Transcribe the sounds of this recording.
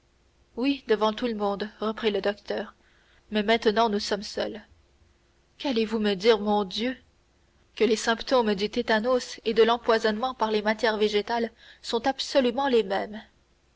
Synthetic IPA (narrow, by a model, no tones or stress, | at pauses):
wid̪əvɑ̃t̪uləmɔ̃d̪ʁəpχiləd̪ɔkt̪œːʁ | mɛmɛ̃t̪nɑ̃nusɔmsœl | kalevuməd̪iːʁmɔ̃d̪jø | kəlesɛ̃pt̪omd̪yt̪et̪anosed̪əlɑ̃pwazɔnmɑ̃paʁlemat̪jɛʁveʒet̪al | sɔ̃t̪absɔlymɑ̃lemɛm